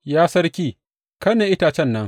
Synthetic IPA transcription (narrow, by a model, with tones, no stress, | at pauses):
jaː˦sɐ˦ɾkʲiː˦ | kɐ˦neː˨ʔɪ˦taː˨t͡ʃɛ˦˨nːɐ˦ŋ